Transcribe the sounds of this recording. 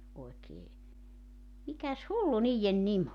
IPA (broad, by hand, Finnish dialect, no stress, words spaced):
oekeː mikæs hulːu niːjːen nim